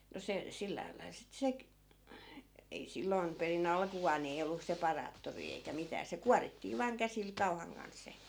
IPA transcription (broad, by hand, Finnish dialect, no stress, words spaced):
no se silːæːl lɑil sit sek ei silːoi̯m perin ɑlkuʋɑːn ni ei olːu sepɑrɑːtːoriː eikæ mitæː se kuɑritːiː ʋɑːŋ kæsil kɑu̞hɑŋ kɑn sˑe